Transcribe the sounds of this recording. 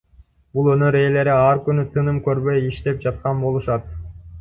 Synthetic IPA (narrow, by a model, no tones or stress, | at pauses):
bulˠønøɾe̞ːle̞ɾiɑɾkynyt̪ʰɯnɯmkø̞ɾbø̞jiʃt̪e̞p̚d͡ʒɑt̪̚qɑnbo̞lˠuʃɑt̪̚